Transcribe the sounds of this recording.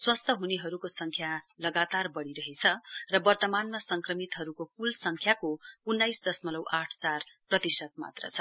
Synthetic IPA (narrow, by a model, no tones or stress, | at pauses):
swast̪ʰʌɦuneɦʌɾukosʌŋkʰjalʌɡat̪arbʌɽiɾʌɦet͡sʰʌrʌbʌrt̪ʌmanmasʌŋkrʌmit̪ɦʌɾukokulsʌŋkʰjakounːajsd̪ʌsmʌlʌwʔaʈʰt͡sarprʌt̪isʌt̪̚ma̰t̪rʌ̰t͡sʰʌ